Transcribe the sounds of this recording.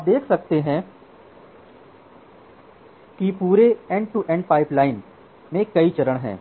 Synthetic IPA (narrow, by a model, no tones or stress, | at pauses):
aːp̚d̪eːkʰsɐk̚t̪eɦɛ̃ | kipuːɾeɛ̃ɳɖʈuʔɛ̃ɳɖ̚paːɪplaːɪn | mẽkɐit͡ʃɐɾəɽ̃ɦɛ̰̃ː